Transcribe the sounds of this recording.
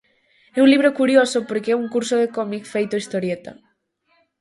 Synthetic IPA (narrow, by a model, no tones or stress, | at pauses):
ɛũŋliβ̞ɾokuɾjosopoɾkeɛuŋkuɾsoðekɔmikfejt̪oist̪oɾjet̪a̰